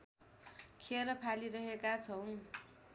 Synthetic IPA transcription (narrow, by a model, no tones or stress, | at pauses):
kʰeɾʌpʰaliɾʌɦekat͡sʰʌw̃